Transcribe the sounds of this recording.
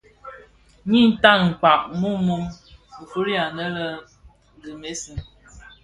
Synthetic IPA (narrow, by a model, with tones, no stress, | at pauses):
ɲi˦n̩˦ta˦ŋ̩˨k͡pa˨ʔmu˦mu˦m | ə˨fu˦ɾi˦a˨nə˦lə˦ | ɡɨ˨me˦si˨